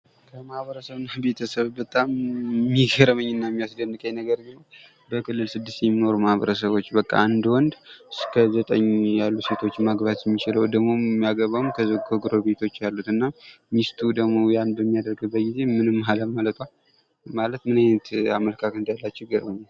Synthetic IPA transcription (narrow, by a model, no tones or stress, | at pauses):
kʰəmahβəɾəsəβɨnːabe̞t̪ʰəsəβbət̪ʼamːiɡəɾəməɲːɨnːamːijasd̪ənːɨkʼəjnəɡəɾɡɨnəw | bəkʰɨlːɨlsɨd̪ːɨst̪jɛmino̞ɾumahβə̰ɾəsəβo̞t͡ʃːbəkʼːa̰and̪wɔnd̪skʰəzət̪ʼəɲːjalːuse̞t̪ʰo̞t͡ʃːmaɡβat̪jɛmːit͡ʃɪləwd̪əɡmo̞mːijaɡəβawmkʰəzɡoɡɾobe̞t̪ʰo̞t͡ʃːjalːut̪ɨnːa | mist̪ʰud̪əɡmojanbəmːijad̪əɾɡɨbət̪ɡize̞mɨnɨmːhaləmalət̪ʰal | malət̪mɨnanət̪a̰məlkʰakɨnd̪ajalːat͡ʃːɛɡəɾbəm